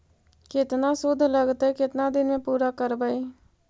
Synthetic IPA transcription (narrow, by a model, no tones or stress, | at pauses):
ket̪nasud̪ʱləɡt̪əjket̪nad̪inmepuɾakəɾbəj